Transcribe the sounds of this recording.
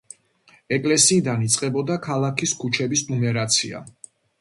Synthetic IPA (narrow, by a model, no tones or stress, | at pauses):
ɛkʼlɛsiːd̪anit̪sʼqʼɛbɔd̪akʰalˠakʰiskʰut͡ʃʰɛbisnumɛɾat̪sʰia̰